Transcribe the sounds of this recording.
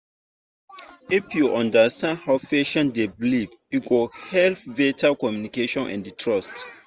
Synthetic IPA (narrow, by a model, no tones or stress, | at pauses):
ifjuʔãndəstʰɛ̃ndhawfɛʃɔ̃ndebliv | juɡohɛlfvetʰakɔmjunikeʃɔ̃nʔɛ̰̃ndtʰɹɔst